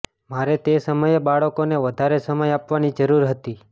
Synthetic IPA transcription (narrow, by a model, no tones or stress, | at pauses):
maɾet̪esəməjebaɭəkoneʋəd̪ʱaɾesəməjapʋanid͡ʒəɾuɾɦət̪i